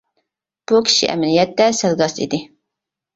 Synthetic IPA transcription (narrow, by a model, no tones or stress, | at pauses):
b̥ukʲʰi̥ʃḭʔɛ̰mnijɛt̪ːɛsɛlɡɑsḭd̪ɪ